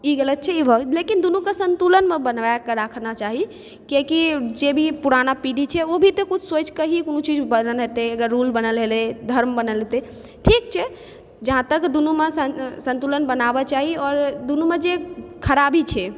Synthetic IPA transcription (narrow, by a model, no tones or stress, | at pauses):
iɡelət̪̚t͡ʃʰɛibʱəlekind̪unukesənt̪ulənmebənʋajkəɾakʰnat͡ʃaɦi | kekid͡ʒebʱipuɾanapiɖit͡ʃʰɛobʱit̪ekut͡ʃʰsot͡ʃʰkəɦikonut͡ʃid͡ʒbənəlɦet̪eəɡəɾːulbənəlɦeled̪ʱəɾmbənəlɦet̪e | ʈʰik̚t͡ʃʰɛ | d͡ʒəɦãt̪əkd̪unumesəsə̃nt̪ulənbənabɛt͡ʃaɦiɔɾd̪unumed͡ʒekʰəɾabit͡ʃʰɛ